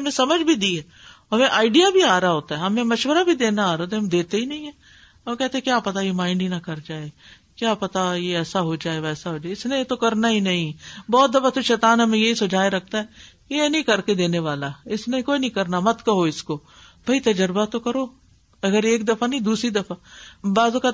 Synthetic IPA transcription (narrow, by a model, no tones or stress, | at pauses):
mẽsɐməd͡ʒʱbʱid̪iɦɛː | ɦɐmẽʔaːɪɖijabʱiaːɾaɦoːt̪aɦɛɦɐmẽmɐʃʋəɾabʱid̪eːnaaːɾaoːt̪̬ẽɦɐmd̪eːt̪eɦinɐɦĩɦɛ | ɦɐmkɛːt̪ẽɦɛ̃kjaːpɐt̪ajemãːɪ̃ɳɖinakɐɾd͡ʒaːeɡ | kjaːpɐt̪ajeɛːsaɦod͡ʒaːeʋɛːsaɦoːd͡ʒaːeɪsnẽt̪okɐɾnaɦinɐɦĩbɔːt̪̚d̪ɐfat̪oʃɛːt̪aːnɦɐmẽjɐɦisʊd͡ʒʱaːeɾɐk̚ʰt̪aɦɛkienɐĩkɐɾked̪eːneʋaːlaɪsnẽkoːinɐɦĩkɐɾnamɐt̪kɐɦoɪsko | b̥ʱɐit̪ɐd͡ʒəɾbat̪okɐɾoː | ɐɡəɾeːkd̪ɐfanɐ̃ĩd̪uːsɾid̪ɐfabaːzõka